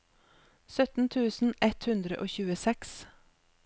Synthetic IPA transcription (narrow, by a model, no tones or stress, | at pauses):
sœt̪n̩t̪ʰʉːsn̩ʔɛt̪hʉnd̪ɾə̰ʔoːçʉːəsɛks